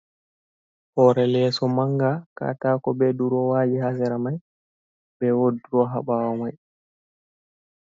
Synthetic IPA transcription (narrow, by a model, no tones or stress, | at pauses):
ʔɔɾɛlɛsɔmaŋɡaka̰taːkɔbɛɗuɾɔwaːd͡ʒihasɛɾamaj | bɛwoduɾɔɦa̰ɓawɔmaj